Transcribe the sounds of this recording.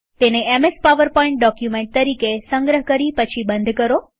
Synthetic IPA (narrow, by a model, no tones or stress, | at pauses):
t̪eneemespaʋəɾpɔ̃ĩɳʈ̚ɖɔkjumẽɳʈ̚t̪əɾikesə̃ŋɡɾəɦkəɾipət͡ʃʰibənd̪ʱkəɾo